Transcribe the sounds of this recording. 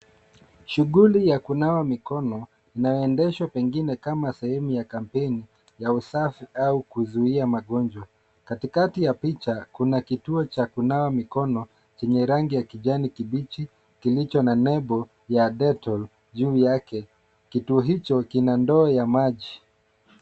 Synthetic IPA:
ʃuɠulijakunawamikɔnɔ | inajɔɛndɛʃwapɛŋɡinɛkamasɛhɛmujakam̩pɛni | jausafiaukuzuiamaɠɔnd͡ʒwa | katikatijapit͡ʃakunakituɔt͡ʃakunawamikɔnɔ | t͡ʃɛɲɛɾaŋɡijakiʄanikiɓit͡ʃi | kilit͡ʃɔnanɛbɔ | jaɗɛtɔl | ʄuːjakɛ | kituɔɦit͡ʃɔkinandɔːjamaʄi

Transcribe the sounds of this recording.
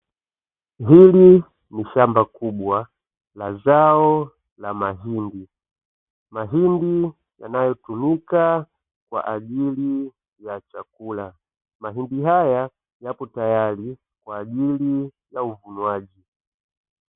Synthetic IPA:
ɦili | niʃambakuɓwa | lazaɔ | lamaɦindi | maɦindi | ja̰najɔtumika | kwa̰ʔaʄili | jat͡ʃakula | maɦindiɦaja | japɔtajali | kwaːʄili | jauvunwaʄi

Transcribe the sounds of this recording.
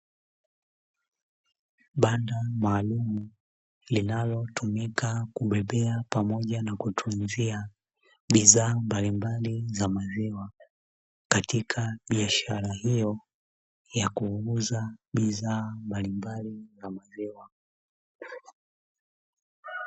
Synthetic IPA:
ɓandamaːlumu | linalɔtumikakuɓɛɓɛapamɔʄanakutʰunzia | ɓizaːmbalimbalizamaziwa | katikʰaɓiaʃaɾahijɔ | jakuuzaɓizaːmbalimbalizamaziwa

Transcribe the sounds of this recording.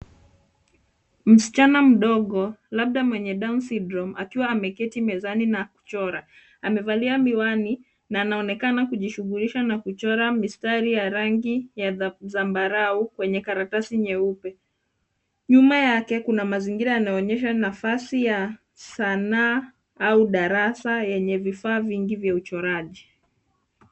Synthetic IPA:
m̩si̥t͡ʃanam̩ɗɔɠɔlaɓ̚ɗamwɛɲɛɗaunsidɾɔmakiwaːmɛkɛtimɛzaninaku̥t͡ʃɔɾa | amɛvaliamiwani | naːnaɔnɛkanakuʄiʃuɣuliʃanakut͡ʃɔɾamistaɾijaɾaŋɡijazambaɾaukwɛɲɛkaɾatasiɲɛupɛ | ɲumajakɛkunamaziŋɡiɾaanaɔɲɛʃanafasija | sanaː | auɗaɾasajɛɲɛvifaːviŋɡivjaut͡ʃɔɾaʄi

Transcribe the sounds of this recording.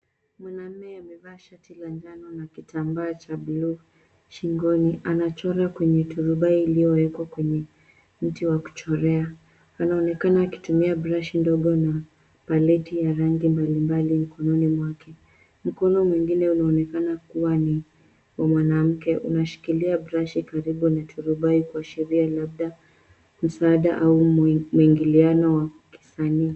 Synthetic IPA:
mwanam̩ːɛamɛvaːʃatilaɲd͡ʒanɔnakitʰambaːt͡ʃablu | ʃiŋɡɔniʔanat͡ʃɔɾakwɛɲɛtuɾuɓaiːlijɔwɛkwakwɛɲɛ | m̩tiwaku̥t͡ʃɔɾɛa | anaɔnɛkanaːki̥tumiabɾaʃindɔɠɔna | palɛtijaɾaŋɡimbalimbalim̩kɔnɔnimwakɛ | m̩kɔnɔmwiŋɡinɛunaɔnɛkanakuwani | wamwanam̩kɛʔṵnaʃi̥kiliabɾaʃikaɾiɓunatʰuɾuɓaikuaʃɛɾialabɗa | m̩saːɗaʔaumuiŋɡilianɔwa | ki̥saniː

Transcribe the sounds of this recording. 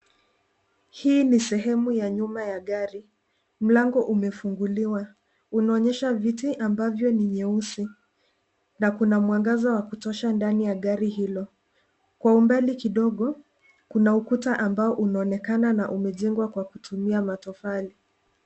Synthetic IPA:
hiːnisɛɦɛmujaɲumajaɠaɾi | m̩laŋɡɔʔumɛfuŋɡuliwa | unaɔɲɛʃavitiʔambavjɔniɲɛusi | nakunamwaŋɡazawakutɔʃandanijaɠaɾiɦilɔ | kwaumbalikiɗɔɠɔ | kunaukutaʔambaɔʔunaɔnɛkananaʔumɛʄɛŋɡwakwakutʰumiamatɔfali

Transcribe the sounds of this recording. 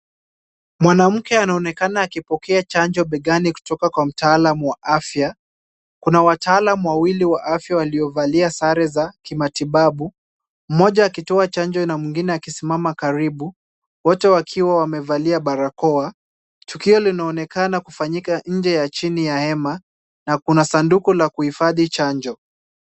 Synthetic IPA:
mwanam̩kɛanaɔnɛkanaːkipɔkʰɛat͡ʃand͡ʒɔɓɛɠaniku̥tɔkakwam̩taːlamuwaʔafja | kunawataaːlamuwawiliwaʔafjawaliɔvaliasaɾɛzakimatiɓaɓu | m̩mɔʄaːkitɔat͡ʃaɲd͡ʒɔnamwiŋɡinɛakisimamakaɾiɓu | wɔtɛwakʰiwawamɛvaliaɓaɾakɔa | tukiɔlinaːnɛkanakufaɲikaɲ̩d͡ʒɛjat͡ʃinijahɛma | nakunasandukulakuhifaðit͡ʃaɲd͡ʒɔ

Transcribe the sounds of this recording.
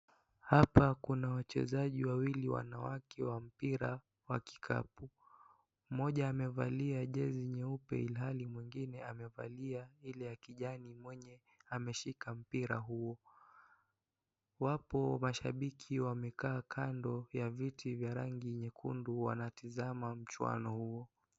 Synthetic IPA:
hapakunawat͡ʃɛ̰zaʄiwawiliwa̰nawakʰɛwam̩piɾa | waki̥kʰa̰pu | mɔʄaːmɛvaliaʄɛziɲɛupɛ̰ilɦalimwiŋɡinɛamɛva̰liailɛakiʄanimwɛɲɛ | amɛʃikam̩piɾa̰ɦuɔ | wapɔmaʃaɓikʰiwamɛkaːkʰandɔjavitʰivjaɾaŋɡiɲɛkʰṵnduwa̰natizamam̩t͡ʃwa̰nɔhuɔ

